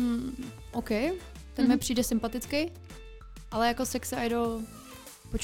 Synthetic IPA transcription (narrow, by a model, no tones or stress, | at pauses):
m̩ | ʔowkɛj | t̪ɛnmɛpr̥iːdɛsɪmpat̪ɪt͡skej | ʔalɛjakosɛksɛajdo | pot͡ʃ